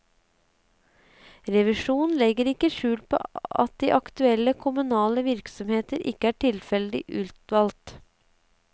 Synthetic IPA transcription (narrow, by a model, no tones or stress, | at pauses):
ɾɛʋɪʂuːnn̩lɛɡəɾɪkːəʃʉːlpʰo̰ːʔɑ̰t̪̚d̪iːʔɑkt̪ʉɛlːəkʰʊmʉnɑːləʋɪɾksɔmheːt̪əɾʔɪ̰kːəæːʈʰɪlfɛləd̪ɪ̰ʔʉːt̪ʋɑlt̪